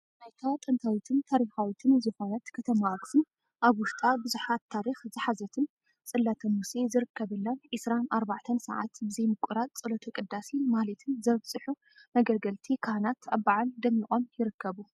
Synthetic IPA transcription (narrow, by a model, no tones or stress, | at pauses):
najt̪ʰat̪ʼɨnt̪ʰawit̪ʰɨnt̪ʰaɾixawit̪ʰɨnzɨxonat̪kʰɐt̪ʰɐmaʔksɨn | ʔaβwʊʃt̪ʼabɨzuħat̪ʰːaɾixzɨħazɐt̪ʰɨn | t͡sʼɨlːat̪ʰɐmusezɨɾɨkːɐβɨlːɐnʕisɾanʔaɾbaʕt̪ʰɐnsɐ̰ʕa̰t̪bɨzɐjmɨkʷʼuɾat̪̚t͡sʼɨlɐt̪ʰukʼɨd̪ːasinmahlɐt̪ʰɨnzɐβt͡sʼɨħu | nɐɡɐlɡɐlt̪ʰikʰanat̪ʰaβːaʕald̪ɐmixʼʔʼo̞mjɪɾɨkːɐβu